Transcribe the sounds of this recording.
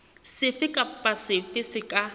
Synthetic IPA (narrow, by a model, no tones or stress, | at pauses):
sɪfɪkʼapʼasɪfɪsɪkʼa